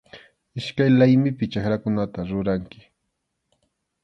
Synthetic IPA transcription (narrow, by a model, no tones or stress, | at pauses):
ɪʃkajlajmɪpɪt͡ʃakɾakʊnat̪aɾʊɾaŋkɪ̥